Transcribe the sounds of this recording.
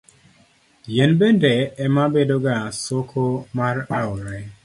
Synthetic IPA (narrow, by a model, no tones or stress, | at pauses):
jenbendɛɛmabedoɡasokʰomaraʊɾɛ